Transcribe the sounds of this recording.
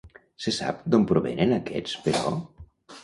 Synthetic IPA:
sesa̰p̚d̪ompɾoβḛnenakɛ̰t͡speɾɔ̰

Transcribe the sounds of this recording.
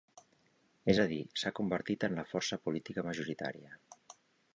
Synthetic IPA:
ezəðisakumbəɾt̪it̪ənləfɔrsəpulit̪ikəməʒuɾit̪a̰ɾiə

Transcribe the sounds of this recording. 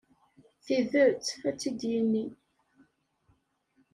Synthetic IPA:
θiðəɾt͡sːæt͡sːid̪jinːi

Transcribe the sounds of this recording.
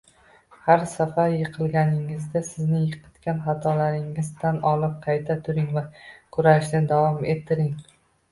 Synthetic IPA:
haɾsafaɾjɨqʰɨlˠɡʲanɪŋɪzd̪asɪznɪjɨqʰɨ̥t̪kʲʰanχɑt̪ʰɒlaɾɪŋɪzt̪anɒlɪp̚qʰɑjt̪ʰat̪ʰʊɾɪŋvakʰʊɾaʃnad̪avɒme̞t̪ʰːɪɾɪŋ

